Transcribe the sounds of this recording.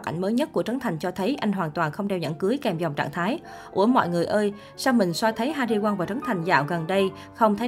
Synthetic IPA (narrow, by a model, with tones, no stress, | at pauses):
kʔa̰˧˩jŋ̟məː˨˦jɲə˦˥t̚ku˧˩ət͡ɕə˨˦ŋnt̪ʰa˨˩jŋ̟t͡ɕɔ˧t̪ʰə˨˦jʔa˧jŋ̟ɦwaː˨˩nt̪waː˨˩nxə˧wŋ͡mɗɛ˧wɲə̰˧˥˩nkɨ˨˦jkɛ˨˩mzɔ˨˩wŋ͡mt͡ɕa̰ː˧˨ŋt̪ʰaː˨˦j | ʔʔṵ˧˩əmɔ̰˧˨jŋɨ˨˩əjʔəː˧j | saː˧wmï˨˩ŋ̟swa˧jt̪ʰə˨˦jɦaː˧ɗi˧kwaː˧nvaː˨˩wt͡ɕə˨˦ŋt̪ʰa˨˩jŋ̟za̰ː˧˨wɣə˨˩nɗə˧j | xə˧wŋ͡mt̪ʰə˨˦